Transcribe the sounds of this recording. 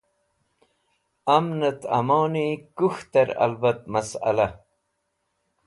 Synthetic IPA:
ɐmnɐt̪ɐ̰mownikuxt̪ɐɾɐ̰lbɐt̪̚mɐsɐ̰lɐ

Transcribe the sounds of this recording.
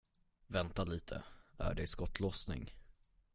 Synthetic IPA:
vɛnt̪aliːt̪ʰə̰æ̰ɖɛskɔt̪ʰːlɔsnɪ̰ŋ

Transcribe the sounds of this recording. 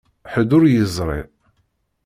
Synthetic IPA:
ħəd̪ʊɾjəzˤɾˤḛ

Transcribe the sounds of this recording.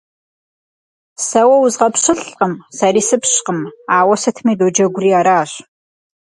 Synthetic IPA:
sɐwɐwʊzʁɐpɕɨɬʼqəmsariːsɨpɕqəmaːwɐsɨtʰmiːdoːd͡ʒɐɡʷʊriːaːɾaːɕ

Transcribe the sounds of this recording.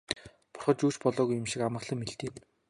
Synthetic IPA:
pʊ̥rχɞ̆t͡ɕuːt͡ɕpɔɮɔːɣujʊ̆mʃikamə̆χɮə̆mːeɬt̪iːn

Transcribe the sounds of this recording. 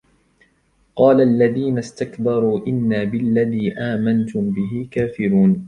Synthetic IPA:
qɑːlaʔalːaðiːnast̪akbɑɾˤuːʔɪnːaːbɪlːaðiːʔaːmant̪ʊmbɪɦɪkaːfɪɾuːn

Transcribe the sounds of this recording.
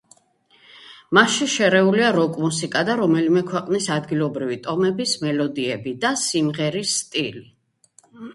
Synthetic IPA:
maʃiʃɛɾɛuliaɾɔkʼmusikʼad̪aɾɔmɛlimɛkʰwɛqʼnisad̪ɡilˠɔbɾivit̪ʼɔmɛbismɛlɔd̪iɛbid̪asimʁɛɾisːt̪ʼili

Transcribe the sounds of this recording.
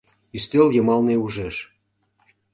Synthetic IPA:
yst̪eljɤ̆mɑlneuʒeʃ

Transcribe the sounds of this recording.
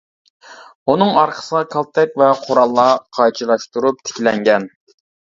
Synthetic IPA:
unɨŋɑɾqʰə̥səʁɑkʰɑlˠt̪ʰɛkʲvɛqʰoɾɑlˠːɑqʰɑjt͡ʃʰilˠɑʃt̪uɾup̚t̪ʰɪ̥kʲilɛŋɡʲɛn

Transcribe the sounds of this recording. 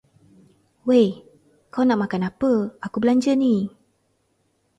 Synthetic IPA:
we | kawnaʔmakanapəakubəlaɲd͡ʒəni

